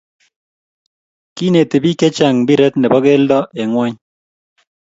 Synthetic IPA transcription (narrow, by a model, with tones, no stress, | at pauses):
ki˦ne˨t̪e˨bi˦kɛ˦t͡ʃa˨ŋbi˦ɾɛ˦t̪nɛ˨bɔ˦ɡe˦ldɔ˦ʔɛ˨ŋwa˦ɲ